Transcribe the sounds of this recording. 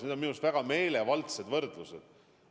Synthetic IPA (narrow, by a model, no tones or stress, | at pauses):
ned̪onminust̪væɡ̥ɑme̞ːlevɑlt̪se̞d̪vɤrd̪̥lused̪̥